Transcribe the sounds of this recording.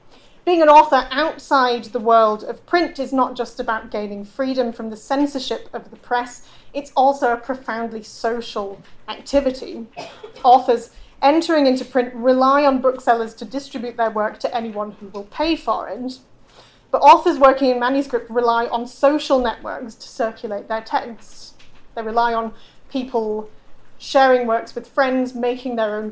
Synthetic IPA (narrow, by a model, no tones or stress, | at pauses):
b̥iɪ̃ŋə̃nɔˑθə˞ʔaʊtsaɪd̪̚ðəwɜ˞lˠdʌv̥pʰɹ̥ɪ̃ntɨznət̚d̥ʒ̥ʌstəbaʊt̚ɡ̥ẽɪ̃nɪ̃ŋfɹiɾə̃ɱfɹʌ̃mðəsɛ̃nsəʃɪpʌvðəpʰɹ̥ɛsɨtsɔlˠsoʊəpʰɹ̥əfãʊ̃ndˡlisoʊʃəl̩ˠak̚tʰɪvɨɾḭ | ɔˑθə˞zʔɛ̃ntʰə˞ɪ̃ŋɪ̃ntʉpʰɹ̥ɪ̃nʔɹɪlaɪə̃nbʊksɛlˠəz̥tʰədɪstɹ̥ɪbjʉʔ̪̚ðə˞wɜ˞k̚tʰəʔɛniwʌ̃nhuwɪlˠpʰeɪfə̰ɹɪ̰̃nz | b̥ʌɾɔˑθə˞zwɜˑ˞kɪ̃ŋɨ̃nmæ̃njɨskɹɪp̚tɹɪlaɪʔə̃nsoʊʃəl̩ˠnɛʔwɜ̰˞kstʰə̥sɜˑ˞kʰjəleɪʔ̪̚ðə˞tʰɛk | ðeɪɹɨlaɪə̃n | pʰipʰəl̩ˠ | ʃɛːɹɪ̃ŋwɜ˞kswɨð̥fɹɛ̃ndzmeɪkʰɪ̃ŋðə˞õʊ̃n